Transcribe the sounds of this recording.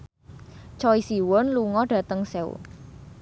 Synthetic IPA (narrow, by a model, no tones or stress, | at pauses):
t͡ʃɔisiwɔnluŋɔɖ̥ä̤t̪əŋsɛṵ